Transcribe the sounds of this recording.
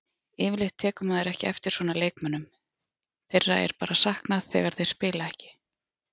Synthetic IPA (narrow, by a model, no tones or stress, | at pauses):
ɪːvɪlɪht̪ʰːɛːkʏmaðɪɾɛhcɪɛft̪ɪɾ̥svɔːnaleːjkmœnːʏm | θejrːa̰ɛ̰ɾ̥paːɾasahknaðθɛ̰ːɣaɾ̥θejɾ̥spɪːlaɛhcɪ̥